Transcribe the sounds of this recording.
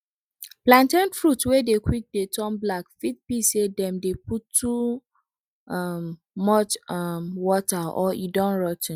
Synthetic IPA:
plãntɛ̃nfɹutwedekʰwik̚detʰɔ̃mblakfit̚bisedɛ̃mdeputːu | m | mɔt͡ʃmwɔtaɔidɔ̃nɹɔtn

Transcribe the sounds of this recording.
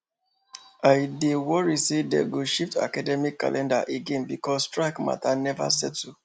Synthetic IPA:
aɪdewɔɹisedḛɡoʃifta̰kadɛmikːa̰lʔɛ̃ndaʔeɡẽnbikʰɔsːtɹaɪkma̰tʰanɛva̰sɛ̰d̚tu

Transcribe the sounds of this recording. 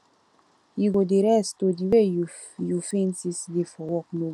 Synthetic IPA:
iɡodiɾɛst̪odiwe | jufensisd̪ifɔwɔkno

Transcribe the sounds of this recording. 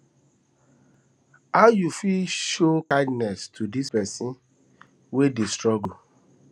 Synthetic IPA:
ajufiʃokãɪ̃dnɛstʰudispɛsĩn | wedestɹɔɡo

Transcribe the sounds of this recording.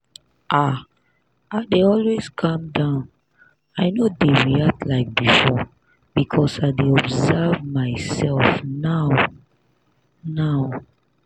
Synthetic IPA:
ʔa | adeɔlwez̥kʰãmdãʊ̃n | aɪnodewiatlaɪk̚bifɔ | b̥ikʰɔsaɪdeɔbzɛvmaɪsɛlfnaʊ | naʊ

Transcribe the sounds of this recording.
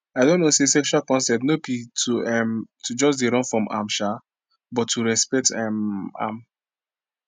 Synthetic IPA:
aɪdõnːosesɛkʃualkɔ̃nsɛp̚tnopitʰuɛmtʰud͡ʒɔsdeɹɔ̃nfɹɔ̃mʔa̰mʃa | bɔtʰːuɹɛspɛk̚tɛma̰m

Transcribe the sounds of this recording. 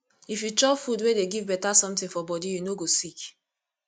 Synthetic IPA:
ifjut͡ʃɔpfudwedeɡivbɛtasɔ̃mtĩfɔbɔdijunoɡosik

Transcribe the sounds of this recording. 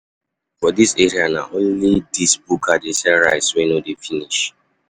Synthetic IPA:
fɔdiseɹiana̰ʔõnlidisbukʰadesɛɹaɪswɛ̃nodefiniʃ

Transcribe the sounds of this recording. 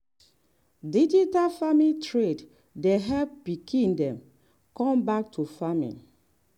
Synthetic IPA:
did͡ʒitalfamitʰɹed | deɦɛvbikʰĩndɛ̃m | kɔ̃mbak̚tʰufamḭ̃

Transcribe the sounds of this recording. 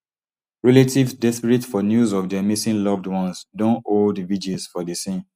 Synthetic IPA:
ɹɛletivdɛspiɹitfɔnjuzɔvdɛmisĩnlɔvdwɔ̃nsdõnoldvid͡ʒiz̥fɔdisĩn

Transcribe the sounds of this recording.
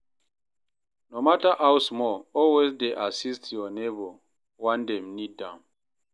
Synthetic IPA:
nomataʔawsmɔɔlwezdeʔasistjɔnebo | wãndɛ̃mnidãm

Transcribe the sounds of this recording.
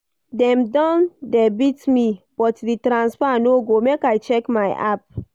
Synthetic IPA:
dɛ̃mdɔ̃ndɛbitmib̥ɔtditɾãnspanoɡomekajt͡ʃɛkmaɪʔa̰p̚

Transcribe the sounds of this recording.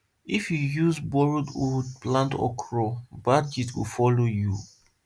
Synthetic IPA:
ifjujuzbɔɹododplãntɔ̰kʰɹɔbad͡ʒitwḭfɔloju

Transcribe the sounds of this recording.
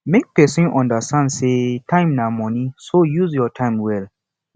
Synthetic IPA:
mek̚pɛsĩnʔɔ̃ndəstãndsetʰãɪ̃mnamɔnisojuzjɔtʰãɪ̃mwɛl

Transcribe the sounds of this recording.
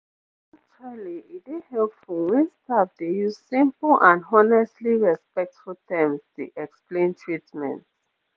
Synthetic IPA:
ak̚t͡ʃualiidehɛlpfɔwɛ̃nstap̚dejuz̥sĩmpl̩ʔãnɔnɛstliɹɛspɛk̚tfultʰɛ̃mstṵʔɛksplẽntʰɹitmɛ̰̃nt

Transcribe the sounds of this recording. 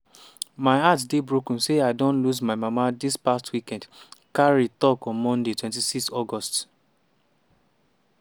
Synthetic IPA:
maɪatdebɹokn̩seaɪdõnluzmaɪmamadispastwikɛ̃ndkaɹitɔkɔ̃nmɔ̃ndetwɛ̃nt̬isikstɔɡɔst

